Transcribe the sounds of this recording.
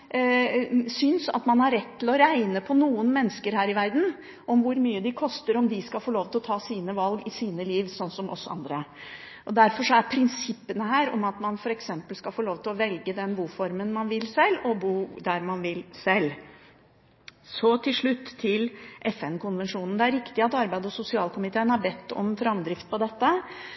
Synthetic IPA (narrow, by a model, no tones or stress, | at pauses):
sʏnsɑ̰t̪mɑnhɑɾɛt̪ʰːɪlɔɾæɪnəpʰɔnuːənmɛnːəskəɾhæːɾɪʋæɾd̪n̩ | ʔɔmʋʊɾmyːəd̪ɪkʰɔst̪əɾɔmd̪ɪskɑlfoːɭoːʋt̪ʰɪlɔt̪ʰɑːsiːnəʋɑlɡɪsiːnəliːʋsɔnːsɔmʔɔ̰sːɑ̰nd̪ɾə | ʔɔd̪æɾfɔʂɔæɾpʰɾɪnsɪpːənəɦæːɾɔ̰mɑt̪mɑnfɔɾɛksɛmpəlskɑlfoːɭoːʋt̪ʰɪlɔʋɛlɡəd̪ɛnbuːfɔɾmənmɑnʋɪlsɛlːɔbuːd̪æɾmɑnʋɪlsɛlː | sɔt̪ʰɪlʂɭʉt̪ːʰɪlʔɛfɛnkʊnʋɛnʂuːnn̩d̪ɛæɾɪkt̪ɪɑt̪ɑɾbæɪd̪əɔsʊsɪɑːlkʰʊmɪt̪ʰeːənhɑɾbɛt̪ːɔ̰mfɾɑmd̪ɾɪft̪̚pʰɔd̪ɛt̪ːə